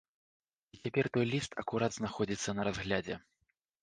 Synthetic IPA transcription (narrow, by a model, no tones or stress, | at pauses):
it͡sʲapʲɛrt̪ɔjlʲist̪ʰɐ̰kuɾad̪znaxɔd͡zʲit̪sːɐnɐɾazɣlʲad͡zʲɛ̰